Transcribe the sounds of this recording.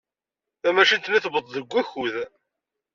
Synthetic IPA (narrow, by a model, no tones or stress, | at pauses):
θæmæʃənt̪niθbəðˤðəɡʷːæçuð